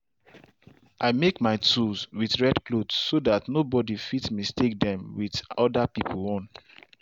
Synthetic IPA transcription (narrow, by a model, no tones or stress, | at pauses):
ʔaɪmekmaɪtʰuzwiθɹɛdklodssodatnobɔdifitsmistek̚dɛ̃mwiðɔdapipʰəlɔ̃n